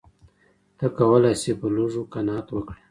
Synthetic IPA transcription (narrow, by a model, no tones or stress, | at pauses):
t̪akawəlajsepəluʐukanɑt̪wəkɽe